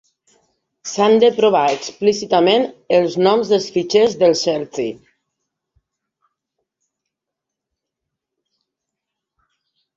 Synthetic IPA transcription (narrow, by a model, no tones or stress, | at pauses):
sand̪əpɾoβaeksplisit̪əmenəlˠznɔmzðəlˠsfit͡ʃezðəlˠʃɛlsi